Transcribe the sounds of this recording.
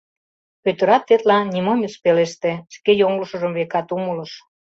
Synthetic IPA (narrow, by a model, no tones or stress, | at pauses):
pøt̪ə̆ɾɑt̪ːet̪lɑnʲimomʲispeleʃt̪eʃkejoŋləʃə̆ʒəmβekɑt̪umələ̆ʃ